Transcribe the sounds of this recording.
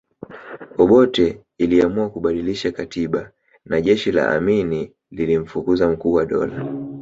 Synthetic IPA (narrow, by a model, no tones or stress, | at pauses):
ɔɓɔtɛ | iliamuakuɓaɗiliʃakatiɓa | naʄɛʃila̰ʔa̰mini | lilim̩fukuzam̩kuːwaɗɔ̰la